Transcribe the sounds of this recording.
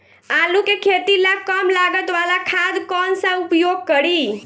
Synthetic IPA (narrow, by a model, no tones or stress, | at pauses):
alukekʰet̪ilakəmlaɡət̪ʋalakʰad̪kɔnsə̃upjoɡ̚kəɾi